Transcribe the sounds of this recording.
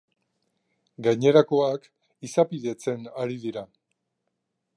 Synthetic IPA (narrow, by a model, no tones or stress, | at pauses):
ɡajɲe̞ɾako̞ak | isapiðe̞t͡se̞naɾiðiɾa